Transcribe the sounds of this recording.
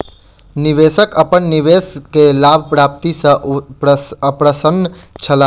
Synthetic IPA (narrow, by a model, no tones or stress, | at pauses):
niʋesəkəpəɳniʋeskelabʱpɾap̚t̪isə̃ | əpɾəsənt͡ʃʰəla